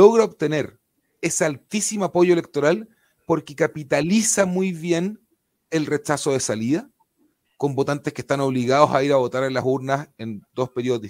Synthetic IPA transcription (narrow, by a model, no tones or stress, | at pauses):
oɣɾaoβt̪e̞ne̞ɾ | esealt̪isimoapoʝoele̞k̚t̪oɾal | po̞ɾkekapit̪alisamujβjen | elre̞t͡ʃasoð̞esaliða | ko̞mbot̪ant̪eshke̥st̪ano̞βliɣaðo̞saiɾaβo̞t̪aɾelasuɾnasend̪o̞speɾiooði